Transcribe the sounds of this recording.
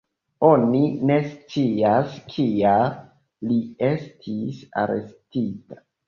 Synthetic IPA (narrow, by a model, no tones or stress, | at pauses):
o̞nine̞st͡siaskʰia | liestʰisa̰ɾḛstitḁ